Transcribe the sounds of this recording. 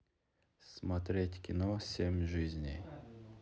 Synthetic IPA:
smɐt̪ɾʲetʲkʲɪnosʲemʲʐɨzʲnʲɪj

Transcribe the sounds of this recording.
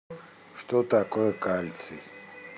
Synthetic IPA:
ʂt̪ʼɔt̪akʼɔɛkʼalʲt͡sʰḭ

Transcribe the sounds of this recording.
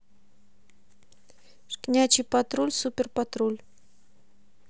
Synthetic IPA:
ʂknʲat͡ɕɪpat̪ɾulʲsupʲɪrpat̪ɾulʲ

